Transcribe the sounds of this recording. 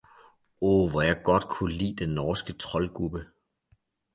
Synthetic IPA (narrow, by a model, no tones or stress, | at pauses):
ɔʋɒjɑ̈ɪɡ̥ɒ̽d̥̚kʰulḭːd̥enːɒːsɡ̥ət͡sʰʁɒ̽lɡ̥ʁub̥ə